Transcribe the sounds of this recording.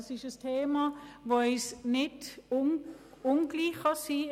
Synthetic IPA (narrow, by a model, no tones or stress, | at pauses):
sɪʃəstʰeːmɑʋoɪsnɪd | ʊnɡ̥liːχɑsi